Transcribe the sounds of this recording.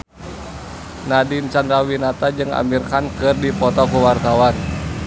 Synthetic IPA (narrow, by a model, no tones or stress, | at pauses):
nadint͡ʃand̪ɾawinat̪ad͡ʒɨŋa̰mirkankɨrdipɔt̪ɔkuwart̪awan